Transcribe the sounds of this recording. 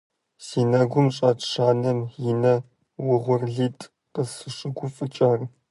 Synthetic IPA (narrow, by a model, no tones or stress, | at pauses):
siːnaːɡʷʊmɕʼaːtʰʂaːnɐmjɪnɐ | wʊʁʷʊrɮiːtʼ | qəsɨʂʼɨɡʷʊfʼɨt͡ʃʼaːr